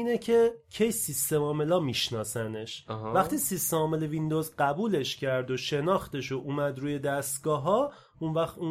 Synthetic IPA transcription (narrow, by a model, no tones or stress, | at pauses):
iːnecʰecʰe̞jsist̪e̞mɒːme̞lɒːmiʃnɒːsæne̞ʃɦvæχt̪ʰiːsist̪emɒːmelevind̪ozɢæbuːle̞ʃcʰæɾd̪o̞ʃe̞nɒːxt̪e̞ʃoʔumæd̪ɾuːje̞d̪æst̪ɡɒːɦɒː | unvæχt̪u